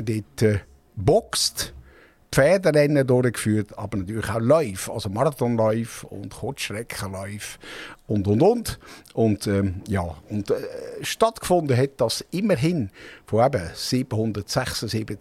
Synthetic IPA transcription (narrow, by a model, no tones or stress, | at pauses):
ədetə | bɔkst | pfɛːdəɾɛnːədʊɾəkfyːɾtɑ̰bəɾnɑt̪yːlɪχaʊlɔʏfɑ̰lsomɑɾɑt̪ɔnlɔʏfʊ̰ndχotʃrɛkχəlɔʏfʊndʊndʊntʊndɛjɑːʊnd̥ʃtɑtkfʊndəɦɛt̚d̥ɑsɪməɾɦɪnfoɛbəsib̥əhʊnd̪ətsɛχsəsiːbə